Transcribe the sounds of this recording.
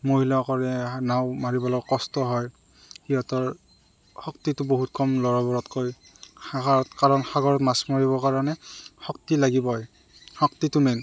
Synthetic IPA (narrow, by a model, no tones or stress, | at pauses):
moɦilɔkɔɹɛnaʊmaɹibɔlɔɡkɔstɔɦɔj | xijɔtɔɹ | xɔktitʊboɦutkʰɔmlɔɹɔbɔɹɔtkoj | aaɔtkaɹɔnxaɡɔɹɔtmasmɔɹibɔkaɹɔnɛxɔktilaɡibɔj | xɔktitʊmɛn